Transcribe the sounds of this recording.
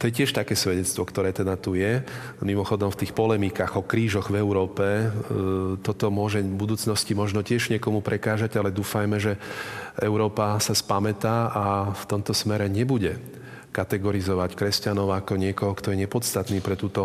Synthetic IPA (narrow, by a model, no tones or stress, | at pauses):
t̪ɔjɛcɪɛʃt̪akɛːsʋɛɟɛt͡st̪ʋɔkt̪ɔɾɛːt̪ɛd̪at̪ujɛ | mimɔxɔd̪ɔmft̪iːxpɔlɛmikaɣɔkɾiːʒɔɣvɛʊɾɔːpɛ | t̪ɔt̪ɔmʊɔʒɛbud̪uːt͡snɔscimɔʒnɔcɪɛʒɲɪɛkɔmupɾʔɛkaːʒaɟalɛd̪uːfajmɛʒɛɛʊɾɔːpasaspamɛt̪aːʔaft̪ɔmt̪ɔsmɛɾɛɲɛbuɟɛ | kat̪ɛɡɔɾizɔʋackɾɛscanɔʊakɔɲɪɛkɔɦɔkt̪ɔjɛɲɛpɔt͡st̪at̪niːpɾɛt̪uːt̪ɔ